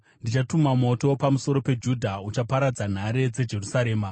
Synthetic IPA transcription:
ndit͡ʃatumamo̞to̞pamuso̞ɾo̞pe̞d͡ʒudʱaut͡ʃapaɾad͡zan̤aɾe̞d͡ze̞d͡ʒe̞rusaɾe̞ːma

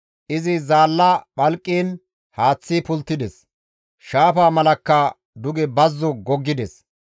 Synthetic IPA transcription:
ʔɪzɪzaːlːɐɓɐlkʼːiːn | haːt͡sːipʊlt̪ːɪd̪ɛs | ʃaːpaːmɐlɐkːɐ | d̪ʊɡɛbɐzːɔɡɔɡːɪd̪ɛs

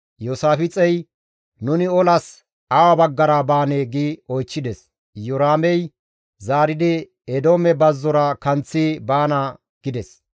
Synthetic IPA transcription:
joːsaːfɪt͡sʼɛj | nʊnɪɔlɐs | awɐbɐɡːɐɾabaːneːɡiɔjt͡ʃːɪd̪ɛs | jɔɾaːmɛj | zaːɾɪd̪ɪ | ɛd̪oːmɛbɐzːɔɾɐkɐnt͡sːibaːnɐ | ɡ̥ɪd̪ɛs

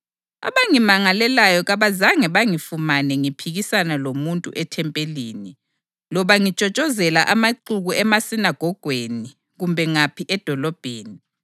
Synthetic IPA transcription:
a̰βaŋimaŋalɛlajɔɣaβazaŋɛβaŋifumanɛŋipʰiɣisanalomuntʼṵʔɛtʰɛmpʼeliːni | lɔβaŋit͡ʃʼɔt͡ʃʼɔzɛlaʔamaǃuɣuɛmasinaɡ̥ʱɔɡ̥ʱweni | ɣumbʱɛŋapʰiʔɛd̥ʱɔlɔb̥ʱeːni

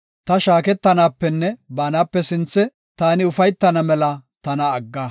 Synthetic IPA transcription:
t̪ɐʃaːkɛt̪ːɐnaːpːɛnːɛbaːnaːpːɛsɪnt͡sːɛ | t̪aːnɪʊfɐjt̪ːɐnɐmɛlɐt̪ɐnɐːɡːaː

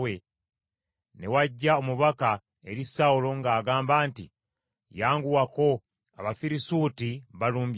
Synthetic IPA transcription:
we | ne̞waɟːaomuβaka | e̞ɾisaulo̞ŋɡaːɡaːmbaːntḭ | jaːŋɡuwako̞ | a̰βafiɾisuːtiβaluːmb

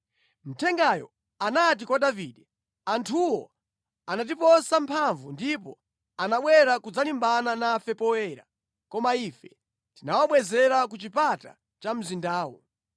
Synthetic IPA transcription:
m̩tʰɛŋɡajɔ̰ | anat̬ikwadaviːɗɛ | antʰuwɔ | anat̬ipɔsampʰaɱvundipɔ̰ | anaɓwɛɾakud͡zalimbananafɛpɔwɛːɾa̰ | kɔmaifɛ | tinawaɓwɛzɛɾakut͡ʃipata̰ | t͡ʃam̩zindaːwɔ̰

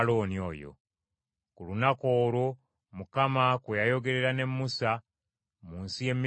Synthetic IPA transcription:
lo̞ːnio̞̰ːjo̰ | kulunako̞ːɾo | mukamakwejajo̞ɡe̞ɾe̞ɾane̞mːusa | muːnsije̞mːi

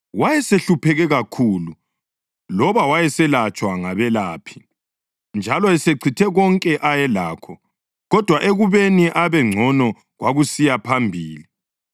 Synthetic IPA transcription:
wajɛseɬupʰɛɣɛɣakʰuːlu | lɔβawajɛsɛlat͡ʃʼwaŋaβɛlaːpʰi̥ | nd͡ʒʱalɔɛseǀʰitʰɛɣɔŋkʼɛʔajɛlaːkʰɔ | ɣɔd̥ʱwaʔeɣuβeniʔaβɛŋ͡ǀʱɔnɔ | ɣwaɣusijapʰambʱiːli

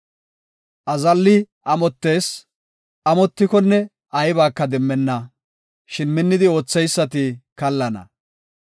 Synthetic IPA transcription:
ʔɐzɐlːɪ | ʔɐmɔt̪ːe̞ːs | ʔɐmɔt̪ːɪkɔnːɛ | ʔɐjbaːkːɐd̪ɛmːɛnːɐ | ʃɪnmɪnːɪd̪ɪo̞ːt͡sːɛjsːɐt̪ɪkɐlːɐnɐ̰

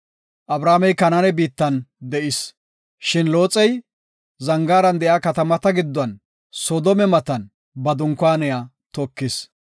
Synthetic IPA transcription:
ʔɐbɾaːmɛjkɐnɐnɛbiːt̪ːɐnd̪ɛʔɪs | ʃɪnlo̞ːt͡sʼːɛj | zɐŋɡaːɾɐnd̪ɛʔjaːkɐt̪ɐmɐt̪ɐɡɪd̪ːɐn | sɔd̪ɔmɛmɐt̪ɐn | bɐd̪ʊŋkːwaːnɛjaː | t̪ɔkːɪs

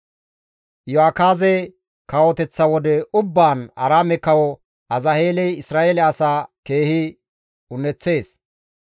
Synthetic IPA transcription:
jɔakaːzɛ | kɐwɔt̪ɛt͡sːɐwɔd̪ɛʊbːaːnɐɾaːmɛkɐwɔ | ɐzɐheːlɛjɪsɾaːʔelɛɐsaːke̞ːhɪ | ʊnːɛt͡sːe̞ːs

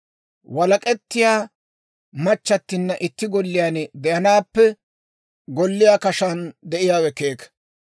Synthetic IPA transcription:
wɐlɐkʼɛt̪ːɪjaː | mɐt͡ʃːɐt̪ːɪnːɐʔɪt̪ːɪɡɔlːɪjaːnɛd̪ɛjɐnaːpːɛ | ɡɔlːɪjaːkɐʃɐnd̪ɛʔɪjaːwɛkeːk

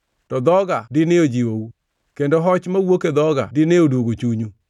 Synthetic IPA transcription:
tɔd̪ɔɡadineod͡ʒiwowu | kendoɦɔt͡ʃmawoked̪ɔɡa̰dineodwoɡot͡ʃuɲu

